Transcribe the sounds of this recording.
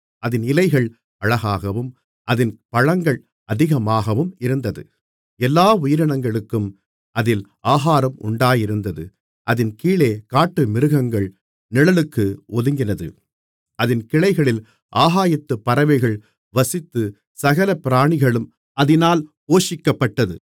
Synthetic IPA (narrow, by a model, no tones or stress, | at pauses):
ʔɐðɪnɪlɐɪɣɐɭ | ɐɻɐɣaːɣɐʋɯm | ʔɐðɪnpɐɻɐŋɡɐɭ | ʔɐðɪɣɐmaːɣɐʋɯmɪɾɯnd̪ɐðɯ̰ | ɛlːaːʊjɪɾɐɳɐŋɡɐɭɯkːɯm | ʔɐðɪlʔaːɦaːɾɐmʊ̰ɳɖaːjɪɾɯnd̪ɐðɯ̰ | ʔɐðɪnkiːɭeːkaːʈːɯmɪɾɯɣɐŋɡɐɭ | nɪɻɐlɯkːɯʔɔðɯŋɡɪnɐðɯ̰ | ɐðɪnkɪɭɐɪɣɐɭɪl | ʔaːɦaːjɪt̪ːɯpːɐɾɐʋɐɪɣɐɭ | ʋɐsɪt̪ːɯ | sɐɣɐlɐpɪɾaːɳɪɣɐɭɯm | ɐðɪnaːlpoːʂɪkːɐpːɐʈːɐðɯ̰